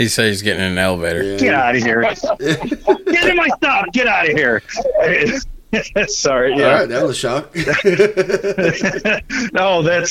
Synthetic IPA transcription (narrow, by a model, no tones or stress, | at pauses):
hisɛizɡɛɾɪ̃ŋɨmeɪlˠbɛɾə̰˞ɡ̥ɛɾaʊɾɨhiɹ | ɛɨmaɪstʌfɡ̥ɛɾaʊɾɨhiɹ | ætsɑɹijææaɪt̪̚ðætzəʃɑk̚ | ʔoʊðæts